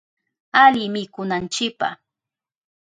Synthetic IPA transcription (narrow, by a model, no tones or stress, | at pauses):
alɪmɪkʊnant͡ʃɪpa̰